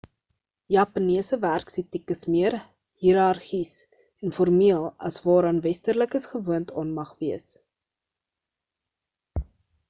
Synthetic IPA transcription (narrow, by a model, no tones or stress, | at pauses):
jɑːpɐniəsəværksitikəsmiər | hiɾɐrχis | ɛnfɔrmiəlˠɐ̰svɑːɾɐnvɛstərləkəsχəvuəntʰɑːnmɐχviəs